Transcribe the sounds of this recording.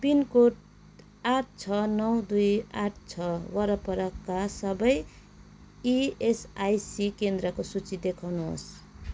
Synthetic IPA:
pinkoʈ | aʈʰt͡sʰʌnʌwd̪ujaʈʰt͡sʰʌwʌɾʌpʌɾʌkːasʌbʌj | iesajsikend̪ɾʌkosut͡sid̪ekʰawnuɦo̰s

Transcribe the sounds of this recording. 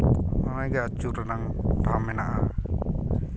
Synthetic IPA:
manaɡat͡ʃuɾanaŋbamɛnaʔa

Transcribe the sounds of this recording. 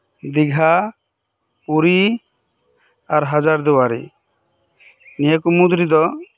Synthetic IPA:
d̪iɡʱa | puɾi | aɾɦad͡ʒaɾd̪uwaɾḭ | nijəkumud̪ɾid̪ɔ

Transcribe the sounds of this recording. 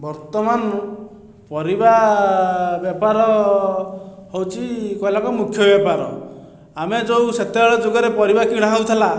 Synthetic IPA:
bɔɾt̪ɔman | pɔɾiba | bjɔpaɾɔ | ɦowt͡ʃʰikɔjlakɔmukʰjɔbjapaɾɔ | amed͡ʒowset̪ebɔɭɔd͡ʒoɡɔɾepɔɾibakiɽ̃aɦawt̪ʰala

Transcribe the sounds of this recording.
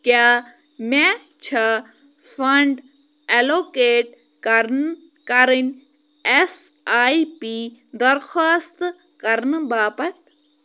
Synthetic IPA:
kjaː | meː | t͡ʃʰɐ | fʰɐɳɖ | eloːkeːʈ | kɐɾn | kɐɾinʲ | es | aːipiːd̪ɐɾxaːst̪ | kɐɾnbaːpɐt̪

